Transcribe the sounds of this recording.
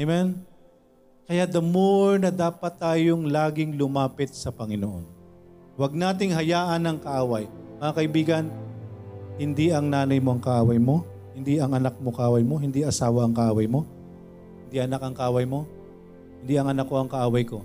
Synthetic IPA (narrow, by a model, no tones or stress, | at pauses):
mɛn | kɐjad̪ɐmoɹnɐd̪aːpɐt̪ːaːjoŋlaːɡɪŋlʊmaːpɪt̪̚sɐpɐŋɪnoʔo̰n | wɐɡ̚naːt̪ɪŋɦɐjaːʔɐnɐŋkɐʔaːwɐjmɐŋakɐʔɪbiːɡɐn | hɪnd̪iʔɐŋnaːnɐjmoʔɐŋkɐʔaːwɐjmo̞ | hɪnd̪iʔɐŋʔɐnak̚mo̞kɐaːwɐjmo̞ɦɪnd̪iʔɐsaːwɐʔɐŋkɐʔaːwɐjmo̞ | hhɪnd̪iʔɐnakɐŋkɐʔaːwɐjmo̞ | hɪnd̪iɐŋɐnakːo̞ʔɐŋkɐʔaːwɐjko̞